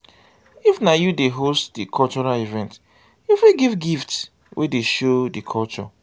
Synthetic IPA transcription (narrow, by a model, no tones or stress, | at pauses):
ifnajudeɦostdikʰɔlt͡ʃɔɹalivɛ̃nt | ifwiɡivɡifts | wʔḛdeʃodikʰɔlt͡ʃɔ̰